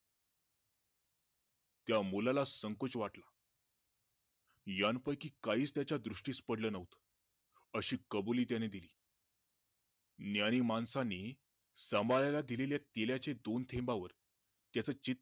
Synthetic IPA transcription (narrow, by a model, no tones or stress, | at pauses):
t̪jamulalasəŋkot͡sʋaʈla | janpəjkiːkaiːt͡st̪jat͡ɕjad̪ɾuʂʈiːspəɽlənaɦut̪ | əɕiːkəbuliːt̪̬janed̪iliː | njaɽ̃imansaniː | səmbʱalajlad̪ileljat̪eljat͡sed̪ont̪ʰẽmbaʋəɾ | t̪jat͡səːt͡ɕit̪̚